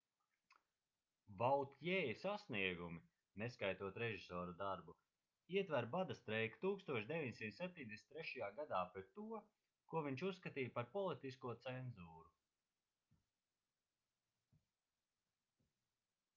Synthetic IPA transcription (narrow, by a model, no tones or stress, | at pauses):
vawt̪jɛːjisasniɛɡumi | neskajt̪uɔt̪ɾɛʒisɔːɾud̪aɾbu | iɛt̪væɾbad̪ast̪ɾɛjkt̪uːkst̪uɔʃd̪evʲiɲsimt̪sɛp̚ʲt̪ʲiɲʲd̪esʲnt̪ɾɛʃajaːɡad̪aːpɾet̪ːuɔ | kuɔviɲt͡ʃusːkat̪iːjpaɾpɔlˠit̪iskuɔt̪sɛnzuːɾu